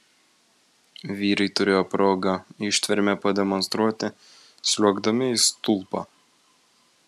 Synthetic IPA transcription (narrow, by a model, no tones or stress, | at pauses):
ʋʲiːɾɐɪt̪ʊɾʲeːjoːpɾoːɡɐɪʃʲt̪ʲʋʲɛɾʲmʲɛpɐd̪ʲɛmɔnst̪ɾuɔt̪ʲɪ | sʲlʲuɔɡd̪ɐmʲɪɪst̪ʊlˠpɑ̰